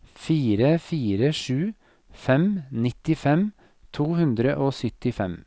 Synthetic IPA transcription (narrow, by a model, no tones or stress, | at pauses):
fiːɾəfiːɾəʃʉː | fɛmnɪt̪ɪfɛm | t̪ʰuːhʉnd̪ɾəʔoːsʏt̪ɪfɛm